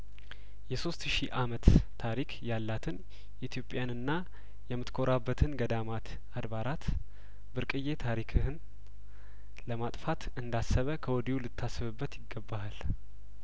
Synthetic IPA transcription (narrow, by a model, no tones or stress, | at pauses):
jɛso̞st̪ʃiʔamət̪ːʰ | aɾikʰjalːat̪ʰɨn | ʔit̪ʰijo̞pʼːjanɨnːa | jɛmːɨt̪kʰo̞ɾʔabːət̪ʰɨnɡəd̪amat̪ | ad̪βaɾat̪ | bɨɾkʼɨje̞t̪ʰaɾikʰɨhɨn | ləmat̪ʼfat̪ɨnd̪asːəβəkʰəwɔd̪iulɨt̪ʰːasːɨβɨbːət̪jɪɡːəbːahal